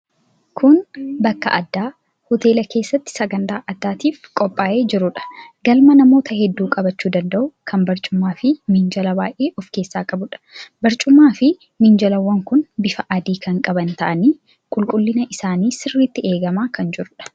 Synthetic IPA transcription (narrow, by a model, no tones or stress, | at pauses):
kʰʊnbɐkːɐ̰ʔɐd̪ːaː | hɔt̪e̞ːlɐke̞ːsːɐt̪ːɪ̥sɐɡɐnt̪aːʔɐd̪ːaːt̪iːfkʼɔpʼːaːʔe̞ːd͡ʒɪɾʊᶑɐ̥ɡɐlmɐnɐmo̞ːt̪ɐhɛd̪ːuːkʼɐbɐt͡ʃːuːd̪ɐnd̪ɐʔʊkʰɐmbɐɾt͡ʃʼʊmːaːfɪmɪnd͡ʒɐlɐba̰ːʔeːʔɔfke̞ːsːaːkʼɐbʊᶑɐ̥bɐɾt͡ʃʼʊmːaːfɪ | mɪnd͡ʒɐlɐwːɐŋkʊnbɪfɐʔɐd̪iːkɐŋkʼɐbɐnt̪ɐʔɐniː | kʼʊlkʼʊlːɪnɐʔɪsaːniːsɪrːiːt̪ːɪe̞ːɡɐmaːkɐnd͡ʒɪɾʊᶑɐ̥